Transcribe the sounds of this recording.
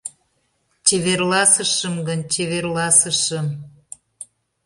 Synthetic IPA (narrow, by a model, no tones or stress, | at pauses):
t͡ɕeβerlɑsəʃəmɡənʲt͡ɕeβerlɑsəʃəm